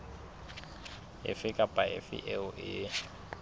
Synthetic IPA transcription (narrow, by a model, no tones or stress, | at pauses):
ɪ̰fɪkʼapʼaɪ̰fɪ̰ʔɛʊʔɪ